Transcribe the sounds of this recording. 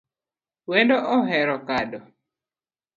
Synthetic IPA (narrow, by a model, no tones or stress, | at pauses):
wendoʔɔɦɛɾɔkadɔ